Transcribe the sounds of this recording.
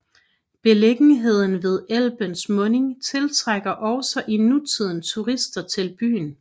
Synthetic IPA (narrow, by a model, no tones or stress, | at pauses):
b̥e̝leɡ̥niɦe̝ð̞̰ˠn̩ʋe̝ð̞ˠel̰b̥ənsmɔ̽ne̝ŋt͡sʰe̝lt͡sʰʁaɡ̥ɐʔɒʊsɒʔinut͡sʰið̞̰ˠn̩t͡sʰuʁisd̥ɐt͡sʰe̝lb̥y̰ːn